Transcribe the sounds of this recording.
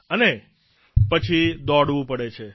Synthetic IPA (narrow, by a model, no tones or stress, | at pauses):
əne | pət͡ʃʰid̪ɔɽʋũpəɽet͡ʃʰe